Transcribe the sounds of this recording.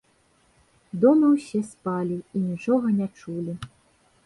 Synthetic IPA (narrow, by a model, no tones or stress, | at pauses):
d̪ɔmɨwsʲɛspalʲiinʲit͡ʂɔɣɐnʲat͡ʂulʲi